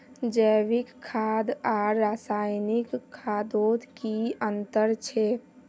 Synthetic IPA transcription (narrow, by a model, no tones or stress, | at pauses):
d͡ʒəʋikʰːad̪aːasajnikʰːad̪od̪ʱkiənt̪əɾt͡ʃʰɛ